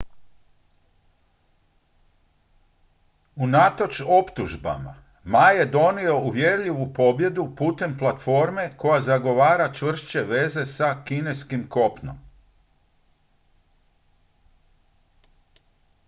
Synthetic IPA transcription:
unat̪o̞t͡ʃo̞pt̪uʒba̰ma̰ | maje̞d̪o̞nio̞uʋjeɾʎiʋupo̞bje̞d̪upuːt̪e̞mplˠat̪fo̞ɾme̞ko̞jazaɡo̞ʋaːɾat͡ʃʋr̩ʃt͡ɕe̞ʋe̞ze̞sakine̞skimko̞pno̰m

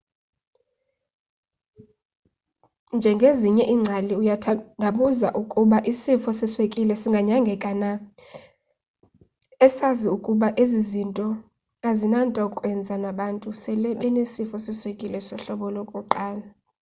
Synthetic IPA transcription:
nd͡ʒʱɛŋɡʱeziɲɛʔiːŋ͡ǀʱaliujʱaɓuzaʔukʼuɓaʔisifɔsiswekʼilɛsiŋɡʱaɲaŋɡʱɛkʼana | ɛsaziukʼuɓaʔezizintʼɔ | azinantʼaukʼwɛnd͡zʱanaɓantʼusɛlɛɓɛnesifɔsiswekʼilɛsɔɬɔɓɔlokʼuǃaːla

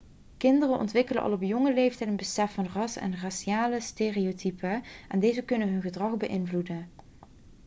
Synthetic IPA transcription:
kɪndərənʔɔ̰ntʋɪkələ̰ʔɑ̰lˠɔpjɔŋəlejftɛjtənbəsɛfɑnrɑsɛ̰nraːʃiaːləsteːriotʰypəʔɛndejzəkɵnənɦɵnɣədrɑχbəʔɪnvludən

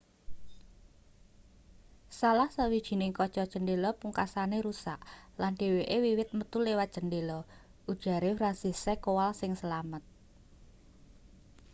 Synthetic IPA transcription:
salahsəwid̥ʒ̥i̤nɪŋkɔ̥t͡ʃɔ̥ʒ̥əndelɔpuŋkasaneɾusaʔlanɖ̥e̤weʔewiwɪt̪̚mət̪ulewat̪̚ʒ̥ə̤ndelɔ | ʔud̥ʒ̥a̤ɾefɾansisekowalsɪŋsəlamət̪̚

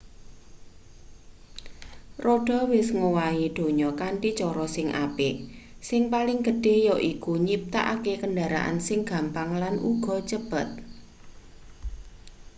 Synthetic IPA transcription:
roɖ̥ɔ̤wɪsŋowaiɖ̥o̤ɲɔkaɳʈit͡ʃɔɾɔsɪŋʔa̰pɪsɪŋpalɪŋɡə̤ɖ̥e̤jɔʔikuɲip̚t̪a̰ʔakekənɖaɾa̰ʔa̰nsɪŋɡ̥a̤mpaŋlanʔṵɡ̥ɔ̤t͡ʃəb̥ə̤t̪̚

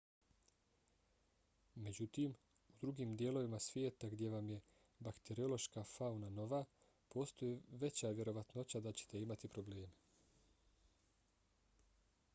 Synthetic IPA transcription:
me̞d͡ʑut̪iːm | ud̪ɾuɡiːmd̪je̞ːlo̞ʋimasʋjeːt̪aɡd̪je̞ʋamje̞ | bakt̪eɾio̞lo̞ʃkaːfaunano̞ʋaː | po̞ːst̪o̞jiʋe̞t͡ɕaːʋje̞ɾo̞ʋat̪no̞t͡ɕad̪at͡ɕe̥t̪e̞imat̪ipɾo̞ble̞ːme̞

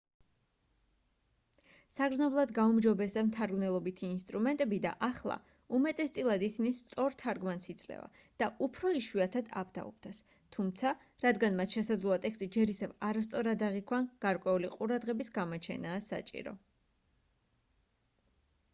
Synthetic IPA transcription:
saɡɾd̪znɔblˠad̪ɡaumd͡ʒɔbɛsd̪ɛmt̪ʰaɾɡmnɛlˠɔbit̪ʰiːnst̪ʼɾumɛnt̪ʼɛbid̪a̰ʔaχlˠa̰ | umɛt̪ʼɛst̪sʼilˠad̪isinist̪sʼɔɾt̪ʰaɾɡmansit̪sʼlɛ̰va̰ | d̪̥aʔupʰɾɔiʃwiat̪ʰad̪a̰pd̪a̰ɔ̰bd̪as | t̪ʰumt̪sʰa | ɾad̪ɡanmat̪ʃɛsad̪zlˠuat̪ʼɛkst̪ʼid͡ʒɛɾisɛvaɾast̪sʼɔɾad̪aʁikʰwanɡ̥aɾkʼwɛuliqʼuɾad̪ʁɛbisɡamɔt͡ʃʰɛ̰naːsa̰t͡ʃʼḭɾɔ̰

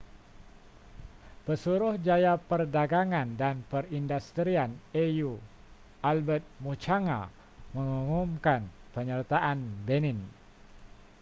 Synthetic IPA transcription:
pəsuɾʊhd͡ʒajapərdaɡaŋandanpərindust̪ɾianeju | albət̪̚mut͡ʃaŋa̰ | məŋumumkanpəɲərt̪aʔanbenɪn

